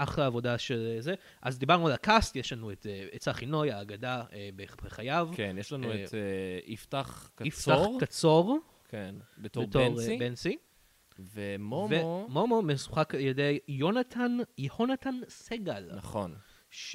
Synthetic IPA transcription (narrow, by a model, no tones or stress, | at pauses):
ʔaχʁeavo̞daʃelze | ʔazd̪ibaʁnualkastjeʃlanueteet͡saχino̞jaːɡadaebebeχajavkkenjeʃlanuetiftaχkaiftaχʁkat͡soʁ | kʰenbetebtoʁibensi | vemomveomomomesu̥χakaljedejonatʰanjeho̞natanseɡal̰nɐχon | ʃ